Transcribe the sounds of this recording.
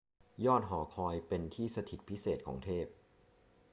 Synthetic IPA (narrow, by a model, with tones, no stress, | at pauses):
jɔː˥˩t̪̚ɦɔː˩˦kʰɔː˧jpe˧nt̪ʰiː˥˩sa˧t̪ʰi˨˩t̪̚pʰi˦˥seː˨˩t̪̚kʰo̰ː˩˦ŋt̪ʰeː˥˩p̚